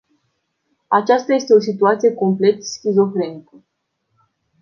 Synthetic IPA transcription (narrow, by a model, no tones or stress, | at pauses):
at͡ʃast̪aje̞st̪e̞o̞s̬it̪uat̪sije̞ko̞mple̞t̪skʲizo̞fɾe̞nikə